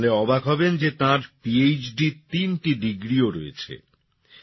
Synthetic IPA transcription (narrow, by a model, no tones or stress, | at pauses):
leɔbaɡɦɔbend͡ʑet̪ãɾpiejt͡ɕɖit̪inʈiɖiɡɾioɾo̰ḛt͡ɕʰḛ